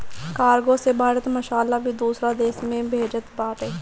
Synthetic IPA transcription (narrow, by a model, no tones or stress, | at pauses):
kaːɾɡoːsebaːɾət̪məʃaːlaːbʱiːd̪uːsɾaːd̪eːsmẽːbʱeːd͡ʒət̪baːʈ̪ɦɛː